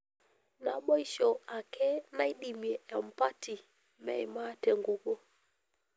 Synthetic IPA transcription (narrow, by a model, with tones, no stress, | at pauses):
na˨ɓɔ˦i˦ʃɔ˨a˨kʰɛ˦na˦i˦ɗi˨mi˨ɛ˨ja˨m̩˨pa˦ti˨ | mɛ̰˨i˨ma˦tɛ˨ŋɡu˦ɡɔ˦